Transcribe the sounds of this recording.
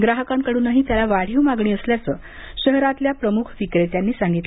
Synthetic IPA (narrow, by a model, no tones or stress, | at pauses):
ɡɾaɦəkãmkəɽuːnːaɦit̪jalaʋaɽ̤iumaɡɳiːəsljat͡səː | ɕəɦɾat̪ljapɾəmukʰfikɾet̪janːiːsãŋɡit̪l